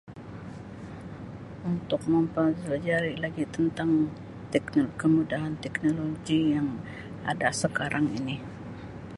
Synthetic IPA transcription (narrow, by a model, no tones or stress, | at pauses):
unt̪ʊk̚məmpəzlad͡ʒaɾilaɡit̪ənt̪aŋ | t̪ɛknokəmudaɦant̪ɛknoloɡijaŋ | adasəkaɾʔaŋḭni